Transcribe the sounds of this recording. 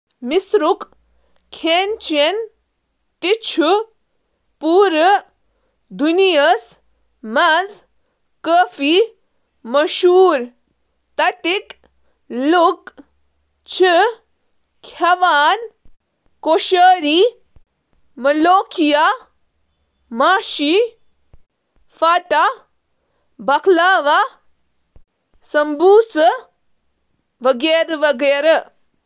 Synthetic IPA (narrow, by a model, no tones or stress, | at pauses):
misɾuk | kʰeːnt͡ʃen | t̪it͡ʃʰu | puːɾə | d̪unijɐs | mɐz | kəːfiː | mɐʃuːɾ | t̪ɐt̪ik | luk | t͡ʃʰi | kʰɐʋaːn | koʃəɾi | mɐloːkʰija | maːʃi | faʈa | bɐklaːʋa | sɐmbuːsə | ʋɐɡeɾʋɐɡeːɾɐ